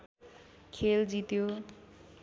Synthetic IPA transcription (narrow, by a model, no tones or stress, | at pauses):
kʰeld͡zit̪jo